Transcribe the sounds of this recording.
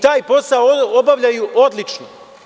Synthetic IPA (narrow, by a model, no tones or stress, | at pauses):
t̪aːjpo̞saobaʋʎajuʔo̞d̪lit͡ʃno